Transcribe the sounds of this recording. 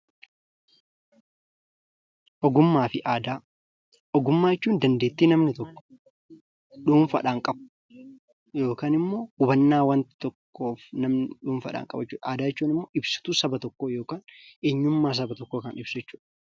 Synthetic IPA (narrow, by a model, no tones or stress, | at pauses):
ʔɔɡʊmːaːfɪʔaːd̪aː | ʔɔɡʊmːaːjɛt͡ʃːuːnd̪ɐnd̪eːt̪ːiːnɐmnɪt̪ɔkːɔ̥ | ɗuːnfɐ̰ᶑaːŋkʼɐb̚ | jo̞ːkaːnɪmːo̞ːhʊbɐnːaːwɐnt̪ɪ̥t̪ɔkːoːfnɐmnɪᶑuːnfɐ̰ᶑa̰ːŋkʼɐbɐt͡ʃːuːᶑɐaːd̪aːjɛt͡ʃːuːnɪmːoːʔɪbsɪ̥t̪uːsɐbɐt̪ɔkːoːjo̞ːkaːnʔeɲːʊmːaːs̬ɐbɐt̪ɔkːoːkɐnɪb̥sʊjɛt͡ʃːu̥ːᶑɐ̥